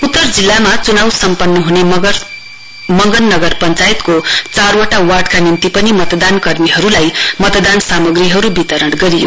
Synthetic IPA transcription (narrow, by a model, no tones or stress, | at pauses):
ut̪ːʌrd͡zilːamat͡sunawsʌmpʌnːʌɦune | mʌŋɡʌnːʌɡʌrpʌnt͡sajet̪kot͡sarwaʈawaɽkanint̪ipʌnimʌt̪d̪ankʌrmiɦʌɾulajmʌt̪d̪ansamʌɡriɦʌɾubit̪ʌɾʌɽɡʌɾijo̰